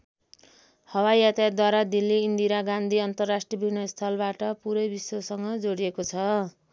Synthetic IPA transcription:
hʌwajat̪ad̪waɾad̪ilːiːnd̪iɾaɡand̪ʱiʌnt̪ʌrːasʈrijʌbʱinʌst̪ʰʌlbaʈʌpuɾʌjbisosʌŋɡʌd͡zoɽijekot͡sʰʌ

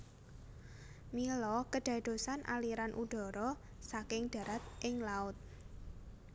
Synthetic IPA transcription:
milɔkəɖ̥ä̤d̪̥o̤sanʔa̰liɾanʔuɖ̪̥ɔ̤ɾɔ | sakɪŋd̥a̤ɾat̪̚ʔɪŋlaʊt̪̚

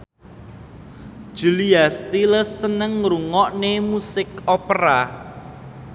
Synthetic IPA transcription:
ʒ̥uliast̪iləsːənəŋɾuŋɔʔnemusɪkopɾa

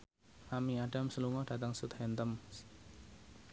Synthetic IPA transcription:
ʔamiaɖ̥amsəluŋɔhɖ̥a̤t̪əŋsut̪hɛnt̪əm

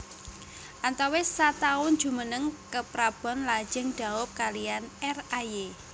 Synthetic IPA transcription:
ʔant̪awesat̪aʊn̥d͡ʒ̥ṳmənəŋkəpɾab̥ɔ̤nlḁd͡ʒəŋd̪̥a̤wʊp̚kalijanɛraje

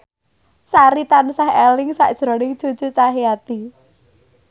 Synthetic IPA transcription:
saɾit̪ansaɦɛlɪŋsa̰ʔd̥ʒ̥ɾɔ̤nɪŋd̥ʒ̥o̤d̥ʒ̥ṳt͡ʃaɦiat̪i

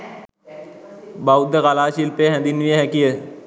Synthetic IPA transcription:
baud̪əɣalaːʃilpeɦɛ̃d̪ɪnʋieɦɛ̃kie

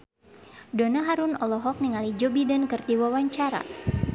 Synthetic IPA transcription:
dɔnaɦaɾunɔlɔɦɔk̚niŋalid͡ʒɔbidənkɨrdiwawaɲt͡ʃaɾa̰

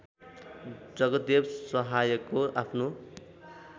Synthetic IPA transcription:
d͡zʌɡʌt̪̚d̪ebsʌɦajʌkːoapʰno

